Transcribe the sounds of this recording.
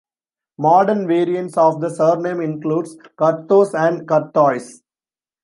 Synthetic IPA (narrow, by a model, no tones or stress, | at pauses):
mɔːɖəɾnʋeːɾiə̃ɳʈsɔːʋd̪əsəːɾnẽmɪ̃nkluːɖskʌɾt̪oːsæ̃ɳɖkɐɾt̪ɔːɪs